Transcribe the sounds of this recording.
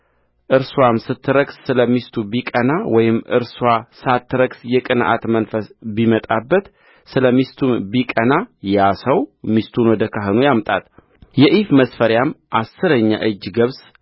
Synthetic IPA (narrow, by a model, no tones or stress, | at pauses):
ʔɨɾswamsɨt̪ːɨɾəɡsːɨləmist̪ʰubikʼənawɔjɪmʔɨ̰ɾswasɨat̪ʰːɨɾəɡsjɛkʼɨnʔa̰t̪mənfəsbimət̪ʼabːət̪ | sɨləmist̪ʰumbikʼənajasəwmist̪ʰunwɔd̪əkʰaɦɨnujamt̪ʼa̰t̪ | jɛʔifməsfəɾjamʔasːɨɾəɲːa̰ʔɨd͡ʒːɡəβs